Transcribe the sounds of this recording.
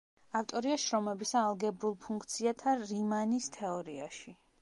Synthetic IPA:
aft̪ʼɔɾiaʃɾɔmɛbisaːlˠɡɛbɾulˠpʰuŋkʰt̪sʰiat̪ʰaɾimanist̪ʰɛɔɾiaʃi

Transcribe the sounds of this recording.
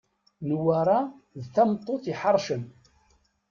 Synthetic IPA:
nwaɾˤa | ðθæmt̪ˤːoθiħəɾˤʃən

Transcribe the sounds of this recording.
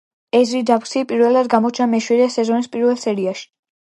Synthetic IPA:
ɛzɾid̪apksipʼiɾvɛlːad̪ɡamɔt͡ʃʰnamɛʃwiɾɛsɛzɔnispʼiɾvɛlˠsɛɾiaʃi̥

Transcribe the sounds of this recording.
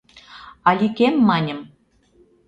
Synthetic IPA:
ɑlʲikemːɑnʲə̆m

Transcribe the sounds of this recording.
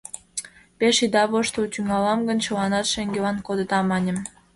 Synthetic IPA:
peʃid̪ɑβoʃt̪ot̪ʲyŋɑlɑmɡə̆nʲt͡ɕolɑnɑt̪ʃeŋɡelɑnkod̪ə̆t̪ɑmɑnʲə̆m

